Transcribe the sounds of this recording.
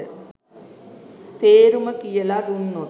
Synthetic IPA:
t̪eːɾumɐkijɐlad̪unːo

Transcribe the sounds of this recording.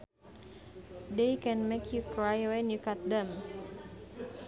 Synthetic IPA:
dekɛ̃nmekʰjukɹajwɛ̃njukat̪̚d̪ɛ̃m

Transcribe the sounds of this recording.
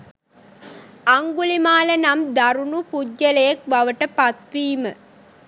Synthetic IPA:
aŋɡulimaːlənamd̪aɾunupud͡ʒːɐləjɐk̚bɐʋəʈəpat̪ʋiːmə

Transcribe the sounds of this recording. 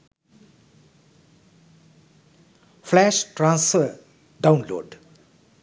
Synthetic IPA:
pʰlɛʃʈɾãnsfə | ɖawnlo̰ɖ

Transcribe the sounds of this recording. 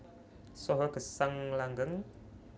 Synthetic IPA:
sɔɦɔɡ̥ə̤saŋlaŋɡəŋ

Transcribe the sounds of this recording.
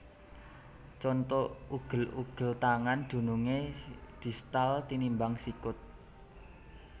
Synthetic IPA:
t͡ʃɔnt̪ɔuɡ̥ə̤luɡ̥ə̤lt̪aŋand̪̥ṳnuŋed̪̥i̤st̪alt̪inimbaŋsikʊt̪̚

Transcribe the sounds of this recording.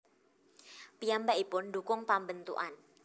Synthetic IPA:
piambaʔipʊndukʊŋpambənt̪ṵʔa̰n

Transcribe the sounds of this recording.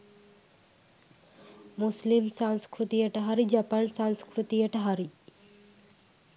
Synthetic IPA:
muslimsanskɾut̪ijɐʈɐɦɐɾid͡ʒɐpansanskɾut̪ijɐʈɐɦaɾi

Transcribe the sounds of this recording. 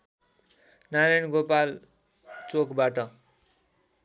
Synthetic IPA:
naɾajnɡopal | t͡sokbaʈʌ

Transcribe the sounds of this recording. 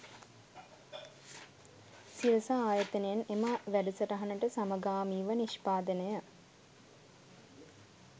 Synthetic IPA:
siʋəsaaːjət̪ənəjenemaʋæɖusəɾɐɦɐnəʈəsaməɡaːmiːʋəniʃpaːd̪ənəjə

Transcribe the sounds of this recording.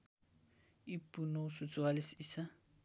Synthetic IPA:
ɪpʼunoʊsʊt͡sʼʊalɪsisa

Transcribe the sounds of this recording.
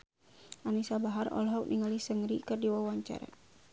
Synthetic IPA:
ʔanisabaɦarɔ̰lɦɔk̚nʔiŋalisəŋɾikərdiwawaɲt͡ʃa̰ɾa̰

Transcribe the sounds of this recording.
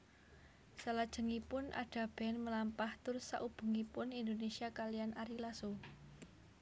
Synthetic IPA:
səlad̥ʒ̥ə̤ŋipʊnʔa̰ɖ̥a̤b̥ɛnməlampaht̪ʊrsa̰ʔub̥ṳŋipʊnind̪onesiakalianaɾilaso

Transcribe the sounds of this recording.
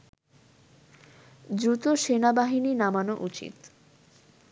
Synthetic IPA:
d̪ɾut̪oʃenabaɦininamanoʔut͡ɕḭt̪

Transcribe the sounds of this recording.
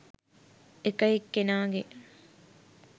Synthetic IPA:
ekɐjikːenaːɡe

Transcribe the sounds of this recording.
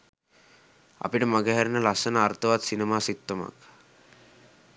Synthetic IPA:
a̰piʈəmaɡeɦæɾnəlasənəːrt̪əʋat̪sinemaːsit̪ːəma̰k

